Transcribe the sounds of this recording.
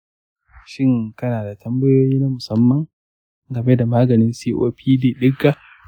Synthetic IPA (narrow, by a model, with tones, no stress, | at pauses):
ʃɪ˦ŋkɐ˦naː˨da˨tʰɐ˦mbɐ˦joː˦jiː˦na˦mʊ˨sɐ˦mːɐ˨ŋ | ɡɐ˨me˦da˨maː˦ɡɐ˨nɪ˦nsiː˦ʔo̰ː˦pʰiː˦diː˦ɗɪ˦ɡa˦